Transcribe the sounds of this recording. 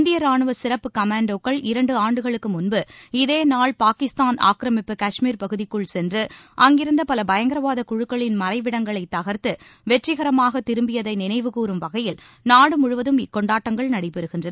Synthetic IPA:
nd̪ɪjɐɾaːɳɯʋɐsɪɾɐpːɯkɐmaːɳɖokːɐɭɪɾɐɳɖɯaːɳɖɯɣɐɭɯkːɯmʊnbɯɪðeːnaːɭpaːkɪst̪aːnʔa̰ːkɾɐmɪpːɯkɐʂmiːɾpɐɣɯðɪkːɯɭsɛndrɯʔɐŋɡɪɾɯnd̪ɐpɐlɐbɐjɐŋɡɪɾɐʋaːðɐkʊɻɯkːɐɭɪnmɐɾɐɪʋɪɽɐŋɡɐɭɐɪt̪ːɐɣɐɾt̪ɯ | ʋɛʈrɪɣɐɾɐmaːɣɐt̪ːɪɾɯmbɪjɐðɐɪnɪnɐɪʋɯkuːɾɯmʋɐɣɐjɪl | naːɽɯmʊɻʊʋɐðɯmɪkːɔɳɖaːʈːɐŋɡɐɭnɐɽɐɪpːɛɾɯɣɪndrɐn

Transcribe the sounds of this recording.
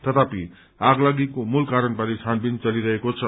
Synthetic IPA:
t̪ʌt̪api | aɡlaɡikomulkaɾənbaɾisʰanbint͡sʌliɾʌɦekot͡sʰʌ

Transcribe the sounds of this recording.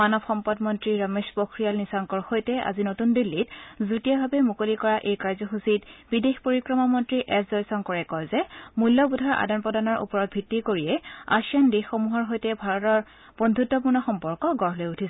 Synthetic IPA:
manɔbxɔmpɔdmɔntɹiɹameʃpokɹijalnisaŋkɔɹxojtɛa̰zinotundilːitzutijabʱabɛmukolikɔɹaʔejkaɹzɔxusitb̥idexpoɹikɹɔmamɔntɹiʔɛszɔjsɔŋkɔɹɛkɔlzɛmulːɔbudʱaɹʔa̰dɔnpɔdanɔɹʔṵpɔɹɔt̚bʱitːikoɹijɛa̰siandexːomuɦɔɹɦojtɛbʱaɹɔtɔɹ | b̥ɔndʱutːɔp̬uɹnɔxɔmpɔɹkɔɡɔɹlojutʰisɛ

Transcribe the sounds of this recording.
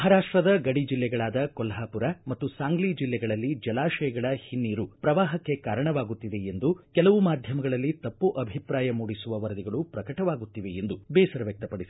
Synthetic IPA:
mɐɦaɾaːʂʈɾɐd̪ɐɡɐɽid͡ʒilːɛɡɐɭaːd̪ɐkɔlɦaːpuɾɐmɐt̪ːusaːŋɡlid͡ʒilːɛɡɐɭɐlːid͡ʒɐlaːʃɐjɐɡɐɭɐhinːiːɾupɾɐʋaːɦɐkːe̞kaːɾɐɳɐʋaːɡut̪ːid̪e̞end̪ukɛlɐʋumaːd̪ʱjɐmɐɡɐɭɐlːit̪ɐpːuʔɐbʱipɾaːjɐmuːɽisuʋɐʋɐɾd̪iɡɐɭupɾɐkɐʈɐʋaːɡut̪ːiʋe̞end̪ubɛːsɐɾɐʋjɐk̚t̪ɐpɐɽisi

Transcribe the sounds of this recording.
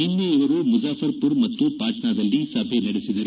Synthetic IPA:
inːeɪʋɐɾumʊzaːfɐɾpʊɾmɐt̪ːupaːʈnaːd̪ɐlːisabʱenɐɽesiðɐɾ

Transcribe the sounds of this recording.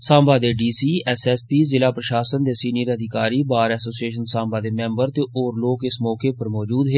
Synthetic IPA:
sãːmbaːd̪eɖiːsiːɛsɛspiːzɪlaːpɾəʃaːsənd̪eːsiːniəɾəd̪ʱɪkaːɾiːbaːɾɛːsoːsieːʃənsãːmbaːd̪emɛ̃mbəɾt̪eʔoːɾloːkɪsmɔːkepəɾmɔːd͡ʒuːd̪ɦeː

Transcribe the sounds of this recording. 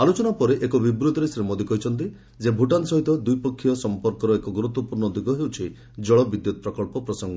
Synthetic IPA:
alot͡ʃɔnapɔɾeʔekɔbibɾud̪ʱɔɾesɾemɔd̪ikɔɦit͡ʃʰɔnt̪̬i | d͡ʒebʱuʈansɔɦit̪ɔd̪ujpɔkʰːijɔsɔmpɔɾkɔɾɔekɔɡuɾut̪wɔpuɾɳɔd̪uɡʱɔɦewt͡ʃʰi | d͡ʒɔɭɔbid̪jut̪ɔpɾɔkɔlpɔpɾɔsɔŋɡɔ

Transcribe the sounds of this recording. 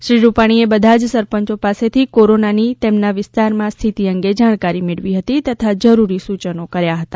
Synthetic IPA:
ʃɾiɾupaɽ̃iebəd̪ʱad͡ʒsəɾpəɲt͡ʃopaset̪ʰikoɾonanit̪emnaʋɪst̪aɾmãst̪ʰit̪iəŋɡed͡ʒaɽ̃kaɾimeɭʋiɦət̪it̪ət̪ʰad͡ʒəɾuɾisut͡ʃənokəɾjaɦət̪a

